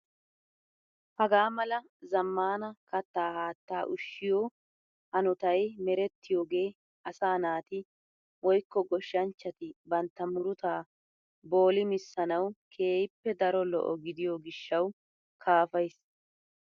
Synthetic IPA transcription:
hɐɡaːmɐlɐ | zɐmːaːnɐkɐt̪ːaːhaːt̪ːaːʔʊʃːɪjoː | hɐnʊt̪ɐjmɛɾɛt̪ːɪjoːɡe̞ː | ʔɐsaːnaːt̪ɪ | wɔjkːɔɡɔʃːɐnt͡ʃːɐt̪ɪbɐnt̪ːɐmʊɾʊt̪aː | bo̞ːlɪmɪsːɐnɐwkʰe̞ːjɪpːɛd̪ɐɾɔlɔ̰ʔɔɡɪd̪ɪjoːɡɪʃːɐw | kʰaːfɐjs

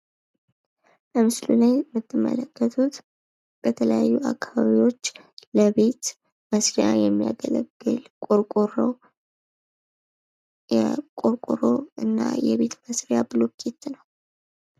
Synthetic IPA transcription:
bəmɨslulajmːɨt̪ʰːɨmːə̰ləkːət̪ʰut̪ | b̥ət̪ʰələjajːuakʰːaβaβiwo̞t͡ʃː | ləβe̞t̪ | məsɾjajɛmːija̰ɡələɡːɨlkʼoɾkʼoɾ | ɛkʼoɾkʼoɾoɨnːa̰jɛβe̞t̪məsɾjabɨlokʰʼet̪ːnəw

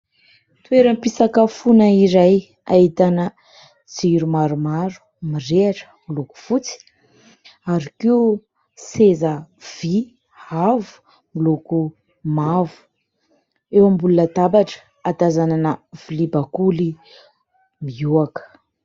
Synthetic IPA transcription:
t̪weɾəmpisakəfunəiɾaj | ait̪anə | d͡ziɾumaɾumaɾu̥ | mireaʈ͡ʂə̥miluku̥fut͡si̥ | aɾikiu | sezəv̥i | havu̥ | miluku | mavu̥ | ewambulunət̪abaʈ͡ʂə̥ | ad̪azananəv̥ilibakuli | miuakə̥

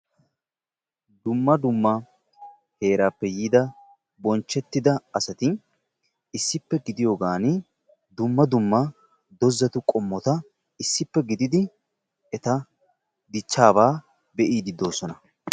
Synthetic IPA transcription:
d̪ʊmːɐd̪ʊmːɐ | he̞ːɾaːpːɛjiːd̪ɐ | bɔnt͡ʃːɛt̪ːɪd̪ɐɐsɐt̪ɪ | ɪsːɪpːɛɡɪd̪ɪjoːɡaːnɪ | d̪ʊmːɐd̪ʊmːɐ | d̪ɔzːɐt̪ʊkʼɔmːɔt̪ɐ | ɪsːɪpːɛɡɪd̪ɪd̪ɪ | ɛt̪ɐ | d̪ɪt͡ʃːaːbaː | bɛʔiːd̪ɪd̪o̞ːsɔnɐ

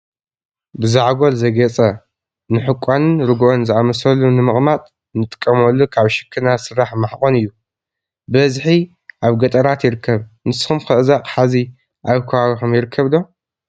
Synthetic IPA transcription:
bɨzaʕɡo̞lzɐɡɐt͡sʼɐ | nɨħɨkʷʼːanɨnɾɨɡʔo̞nzɨʔamɐsɐlːunɨmɨχʼmat̪ʼ | nɨt̪ʼɨ̥kʼːɐmɐlːukʰaβʃɨ̥kʰːɨnasɨɾaħmaħkʼonɨjːu | bɐzħi | ʔaβɡɐt̪ʼɐɾat̪jɪɾɨkʰːɐβnɨsɨ̥xumkʰɨʔɨzaqʼħazi | ʔaβkʰɐwaɡxɨmjɪɾɨkʰːɐβlo̞

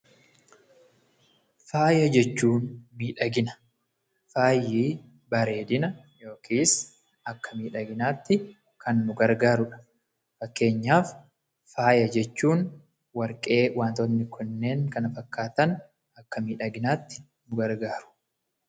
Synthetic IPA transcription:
faːjɐd͡ʒɛt͡ʃːuːnmiːᶑɐɡɪnɐ̥ | faːjːiː | bɐɾe̞ːd̪ɪnɐ | jo̞ːkʰiːs | ɐkːɐmiːᶑɐɡɪnaːt̪ːɪ | kʰɐnːʊɡɐɾɡaːɾʊᶑɐ̥ | fɐkːe̞ːɲːaːfː | aːjɐd͡ʒɛt͡ʃːuːn | wɐɾkʼe̞ːwaːnt̪ɔnːɪkʰɔnːe̞ːŋkɐnɐfɐkːaːt̪ɐn | ɐkːɐmiːᶑɐɡɪnaːt̪ːɪ̥ | nʊɡɐɾɡaːɾʊ̥

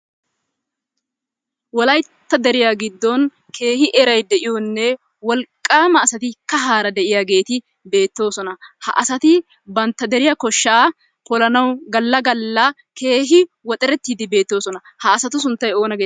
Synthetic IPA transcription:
wɔlɐjt̪ːɐd̪ɛɾɪjaːɡɪd̪ːɔn | kʰe̞ːhɪʔɛɾɐjd̪ɛʔɪjɔnːɛ | wɔlkʼːaːmɐːsɐt̪ɪkɐɦaːɾɐd̪ɛʔɪjaːɡe̞ːt̪ɪ | be̞ːt̪ːo̞ːsɔnɐhɐ̰ʔɐsɐt̪ɪ | bɐnt̪ːɐd̪ɛɾɪjɐkɔʃːaː | kɔlɐnɐwɡɐlːɐɡɐlːɐ | ke̞ːɦɪwɔt̪ʼɛɾɛt̪ːiːd̪ɪbe̞ːt̪ːo̞ːsɔnɐ | hɐːsɐt̪ʊs̬ʊnt̪ːɐjo̞ːnɐɡeː

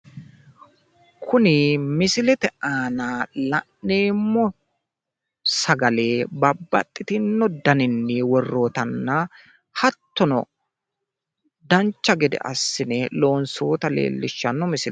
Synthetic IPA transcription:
kʰʊnɪmɪsɪlɛt̪ɛaːnaːlɐʔneːmːɔ | sɐɡɐle̞ːbɐbːɐ̰t̪ʼːɪt̪ɪnːɔd̪ɐnɪnːɪwɔrːo̞ːt̪ɐnːɐ | hɐt̪ːɔnɔ̰ | d̪ɐnt͡ʃːɐɡɛd̪ɛ̰ʔɐ̰sːɪnɛlo̞ːnsoːt̪ɐlḛːlːɪʃːɐnːɔmɪsɪl

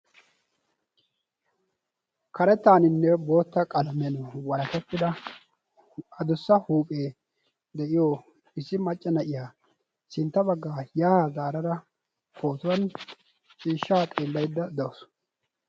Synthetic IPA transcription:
kɐɾɛt̪ːaːnɪnːɛbo̞ːt̪ːɐkʼɐlɐmɛnʊwɐɾɐk̪ɛt̪ʼːɪd̪ɐ | ɐd̪ʊsːɐhuːpʼe̞ː | d̪ɛʔɪjoː | ɪsːɪmɐt͡ʃʼːɐnɐʔɪjaː | sɪnt̪ːɐbɐɡːaːjaːhazaːɾɐɾɐ | fʰo̞ːt̪ʊwɐn | t͡ʃʼiːʃːaːt̪ʼeːlːɐjd̪ːɐd̪ɐwʊs

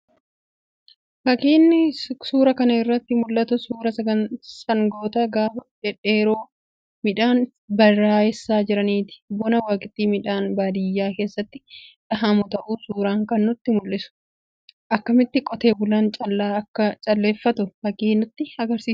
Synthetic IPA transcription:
fɐkiːnːɪsuːɾɐkɐnɐɪrːɐt̪ːɪmʊlːɐt̪ʊsuːɾɐsɐɐsɐŋɡoːt̪ɐɡaːfɐᶑɛᶑeːɾoː | mɪᶑaːn | bɐrːaːɛsːaːd͡ʒɪɾɐniːt̪ɪ̥bɔnɐwaːkʼɪt̪ːiːmɪᶑaːnbaːd̪ɪjːaːke̞ːsːɐt̪ːɪᶑɐɦɐmʊt̪ɐʔuːsuːɾaːŋkɐnːʊt̪ːɪmʊlːɪsʊ̥ | ʔɐkːɐmɪt̪ːɪkʼɔt̪e̞ːbʊlɐnt͡ʃʼɐlːaːkːɐt͡ʃʼɐlːe̞ːfːɐt̪ʊfɐkiːnʊt̪ːɪɐɡɐɾsiːs

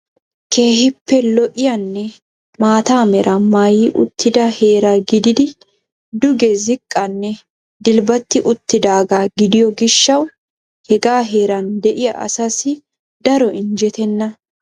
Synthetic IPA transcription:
kʰe̞ːhɪpːɛlɔʔɪjɐnːɛ | maːt̪aːmɛɾʔɐmajɪʔʊ̰t̪ːɪd̪ɐhe̞ːɾɐɡɪd̪ɪd̪ɪ | d̪ʊɡɛzɪkʼːɐnːɛ | d̪ɪlbɐt̪ːɪʔʊt̪ːɪd̪aːɡaːɡɪd̪ɪjɔɡɪʃːɐw | hɛɡaːɦeːɾɐnd̪ɛʔɪjɐ̰ʔɐ̰sɐsɪ | d̪ɐɾɔʔɪnd͡ʒɛt̪ɛnːɐ

